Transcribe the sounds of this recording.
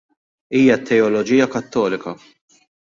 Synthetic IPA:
iːjɐt̪ʰːɛɔlɔd͡ʒiːjɐkɐt̪ːɔːlɪkɐ

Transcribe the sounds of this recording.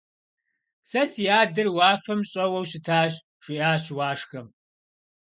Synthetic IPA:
sɐsjaːdɨrwaːfɐmɕʼɐwɐwɕɪtʰaːɕ | ʂʷiʔaːɕwaːʂxɐm

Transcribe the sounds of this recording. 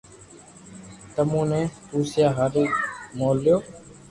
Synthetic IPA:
t̪əmũːnẽːpuːsjaːɦaɾiːmoːljoː

